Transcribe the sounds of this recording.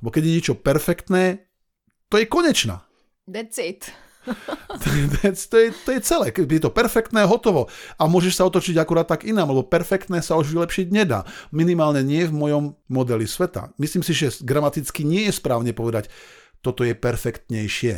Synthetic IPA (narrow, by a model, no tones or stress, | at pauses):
lɛbɔkɛɟjɛɲɪɛt͡ʃɔpɛɾfɛkt̪nɛː | t̪ɔjɛkɔɲɛt͡ʃna̰ː | it̪ | t̪ɔd̪t͡si̥t̪ːɔjɛt̪ɔjɛt͡sɛlɛːkɛjɛt̪ɔpɛɾfɛk̚t̪nɛːɦɔt̪ɔʋɔamʊɔʒɛʃsaɔt̪ɔt͡ʃiɟakuɾaːt̪ːaɡinaːmlɛbɔpɛɾfɛkt̪nɛːsauʒʋilɛpʃiɟɲɛd̪a̰ːminimaːlɲɛɲɪɛɛvmɔjɔmːɔd̪ɛlisʋɛt̪a̰misliːmsiʒɛɡɾamat̪it͡skiɲɪɛjɛspɾaːʊɲɛpɔʋɛd̪act̪ɔt̪ɔjɛpɛɾfɛkt̪ɲɛjʃɪɛ̰